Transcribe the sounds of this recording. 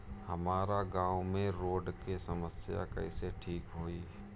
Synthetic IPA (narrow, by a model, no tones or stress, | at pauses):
həmaːɾaɡãːwmẽɾoːɖkesəməsja̰kə̰ɪseʈʰiːkɦoːiː